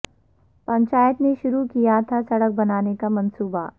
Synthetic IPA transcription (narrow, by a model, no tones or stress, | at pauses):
pɐ̃ɲt͡ʃaːjət̪neʃʊɾukijat̪ʰasɐɽək̚bɐnaːnekamɐ̃nsuːba